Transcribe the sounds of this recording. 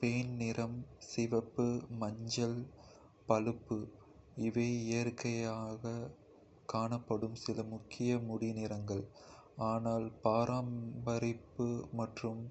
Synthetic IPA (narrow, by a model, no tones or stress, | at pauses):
pejnnɪɾɐmsɪʋɐpːɯmɐɲd͡ʒɐl | pɐlɯpːɯ | ɪʋeːɪjɐɾkɐjaːɣɐ | kaːɳɐpːɐɽɯmsɪlɐmʊkʰːɪjɐmʊɽɪnɪɾɐŋɡɐɭaːnaːlpaːɾaːmbɐɾɪpːɯmɐʈrɯm